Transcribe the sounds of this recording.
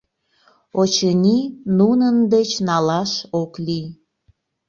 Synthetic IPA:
ot͡ɕənʲinunənd̪et͡ɕnɑlɑʃokli

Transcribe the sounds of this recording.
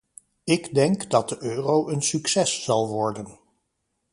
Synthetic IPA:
ɪɡdɛŋkdɑt̚dəʔøːrowʔənsyksɛsːɑlˠʋɔɹdən

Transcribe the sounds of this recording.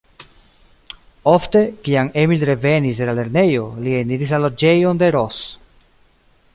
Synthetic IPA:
o̞fte̞kiaŋe̞milɾe̞ve̞nis̬delale̞ɾne̞jo̞lieniɾis̬lalo̞d͡ʒe̞jo̞nde̞ɾo̞s

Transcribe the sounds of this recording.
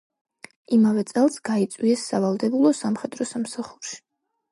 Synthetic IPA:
imavɛt̪sʼɛlˠsɡait̪sʼwiɛsːavalˠd̪ɛbulˠɔsamχɛd̪ɾɔsamsaχuɾʃi̥

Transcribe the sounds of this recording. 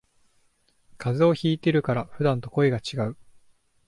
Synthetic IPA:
kʰazɨo̞çiːt̪e̞ɾɯ̟kaɾaɸɯ̟d̪ãnt̪o̞ko̞eɡat͡ɕiɡaɯ̟

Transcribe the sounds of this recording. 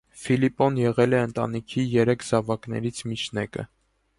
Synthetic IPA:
filipɔnjɛʁɛlɛənt̪ɑ̰nikʰijɛɾɛkʰzɑvɑknɛ̰ɾit͡sʰmit͡ʃʰnɛkə̰

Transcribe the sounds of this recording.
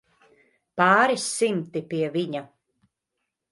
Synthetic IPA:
paːɾisːimt̪ipiɛviɲa

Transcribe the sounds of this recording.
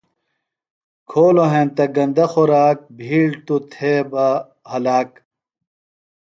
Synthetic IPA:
kʰoːloɦẽnt̪ɐɡɐnd̪ɐxoɾaːk̚bʱiːɭt̪ut̪ʰebɐ | hɐlaːk

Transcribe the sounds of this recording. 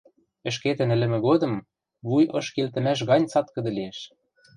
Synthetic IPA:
ɘ̆ʃ̬ket̪ɘ̆nɘ̆lɘ̆mɘ̆ɣod̪ɤ̆m | βujɤ̆ʃkelt̪ɘ̆mæʃ̬ɣɑnʲt͡sɑt̪kɤ̆d̪ɤ̆lieʃ

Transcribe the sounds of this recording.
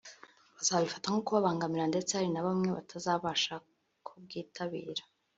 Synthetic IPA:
βazaβaβifataŋukuβaβaːŋɡamiɾande̞t͡sehaɾinaβamŋe̞βatʰazaːβaʃa | kʰub̚ɡiːtʰaβiːɾḁ

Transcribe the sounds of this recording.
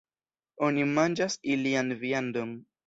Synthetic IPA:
o̞nimand͡ʒasilianviandon

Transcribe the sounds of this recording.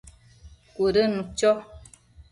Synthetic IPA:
koɾənũt͡ʃɔ

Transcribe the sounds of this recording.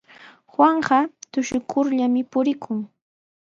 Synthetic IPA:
xwaɴɢɑt̪ʊʃʊkʰʊɾʎamɪpʊɾɪkʰʊŋ

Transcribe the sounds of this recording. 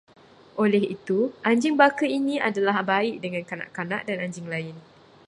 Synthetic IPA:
ʔolɛhit̪uʔaɲd͡ʒɪŋbakəinĩʔa̰dalahbaiʔdəŋãnkanã̰ʔkana̰ʔdanaɲd͡ʒɪŋlaɪn

